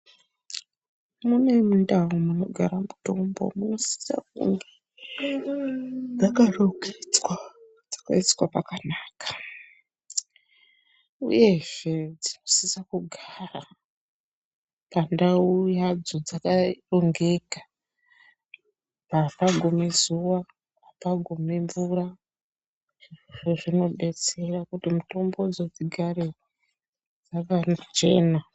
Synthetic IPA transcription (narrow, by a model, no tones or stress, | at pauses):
mune̞mundawomuno̞ɡʱaɾamuto̞mbo̰muno̞si̥sa̰k̚ṵŋɡe | d͡zakaroɡet͡swa | d͡zḁka̰iswapakanaːkḁ | ṵje̞ʒ̥e̞d͡zino̞sisakuɡʱaːra | pandaujad͡zo̞d͡zakaro̞ŋɡe̞kḁ | papaɡʱomezuwa | papaɡʱomeɱvura | ʐʐoʐino̞ɓe̞t͡se̞rakutimuto̞mbo̞d͡zo̞d͡ziɡʱaɾe | d͡zaʋanat͡ʃe̞ːna